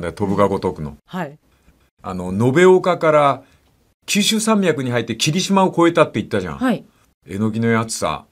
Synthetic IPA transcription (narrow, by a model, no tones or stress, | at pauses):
nd̪ajot̪o̞bɯ̟ɡaɡo̞t̪o̞kɯ̟no̞̰ha | a̰no̞no̞be̞okakaɾa | kʲɨːɕɨːsãmbʲjakɯ̟ɲ̟iɦait̪ːekʲiɾʲiɕimaoko̞e̞t̪at̪ːe̞it̪ːaʑã̰ | e̞no̞ɡʲino̞jat͡sɨ̥sa̰